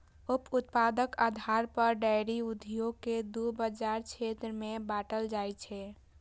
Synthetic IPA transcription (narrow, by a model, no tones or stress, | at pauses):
uput̪̚pad̪əkad̪ʱaɾpəɾɖajɾiud̪ʱjoɡ̚ked̪ubəd͡ʒaɾt͡ʃʰet̪ɾəmẽbaʈəld͡ʒajt͡ʃʰɛ